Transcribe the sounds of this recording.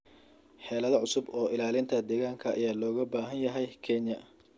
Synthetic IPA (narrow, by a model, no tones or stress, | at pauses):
ħɛːlɐðɐʕʊsʊbɔːɪlaːlɪnt̪ʰɐd̪ɛːɣaːŋkʰɐ̰ːjaːlɔːɣɐbaːɦɐnjɐɦɛjkʰɛnjɐ